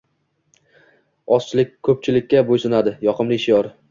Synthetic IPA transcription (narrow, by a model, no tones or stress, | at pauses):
ɒst͡ʃʰɪlɪk̚ʲkʰːɵp̚t͡ʃʰɪlɪkʲːabojsɪnad̪ɪjɒqʰɨmlɪɪʃjɒɾ